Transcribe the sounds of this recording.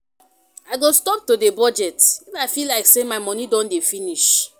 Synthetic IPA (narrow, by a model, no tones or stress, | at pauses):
aɪɡostɔp̚todebɔd͡ʒɛtɛfafilaɪksemaɪmɔ̃nidɔ̃ndefiniʃ